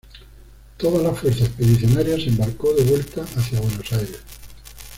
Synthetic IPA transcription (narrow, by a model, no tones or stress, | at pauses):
t̪o̞ðalafwe̞ɾθaespeðiθjo̞naɾjase̞mbaɾko̞ðe̞βwe̞lt̪aʔaθjaβwe̞no̞sajɾe̞s